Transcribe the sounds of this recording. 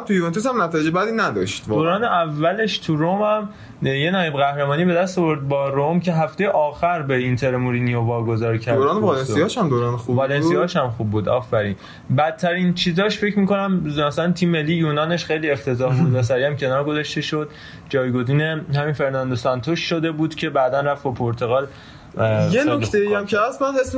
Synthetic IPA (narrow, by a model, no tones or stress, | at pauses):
mt̪ujuvent̪ʰusæmnæt̪ʰɒːjed͡ʒebæd̪iːnæd̪ɒʃt̪ːdoːɾɒːneʔævːæle̞ʃt̪ʰuɾomæm | je̞nɒːjebɣæhɾemɒːniːbe̞d̪æst̪ovo̞ɾd̪̚bɒːɾomcʰe̞ɦæft̪ejeʔɒːxæɾbeint̪ʰe̞ɾmuɾiːniovɒːɡo̞zɒːɾcʰæɾdoɾːnevɒlesijɒːʃhæmd̪oːɾɒːnexubvɒːlenijɒːʃæmxuːbːuːd̪ɒːfæɾiːn | bæt̪ʰːæɾint͡ʃʰiːzɒːʃfe̞cʰmiːko̞næmmæsælænt̪ʰiːmːe̞lːijuːnɒːneʃxe̞jlie̞ft̪ʰe̞zɒːhbuːd̪væs̬æɾiæmcʰe̞nɒːɾɡo̞zɒʃt̪e̞ʃo̞d̪̥̚ | d͡ʒɒːjɡo̞ziːne̞hæminfe̞ɾnænd̪osɒnt̪ʰoʃːo̞d̪e̞buːd̪̥cʰe̞bæd̪ænræfbopʰoɾt̪ʰo̞ɣɒːl | jeokt̪ʰeiæmcʰeæsmænhesm